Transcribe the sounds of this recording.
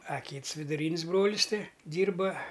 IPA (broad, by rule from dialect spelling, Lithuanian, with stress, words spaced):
ɐ ˈkʲiːts ʋʲɪdʊˈrʲiːnʲsʲ ˈbroːlʲɪs ˈtʲɪ ˈdʲiːrbɐ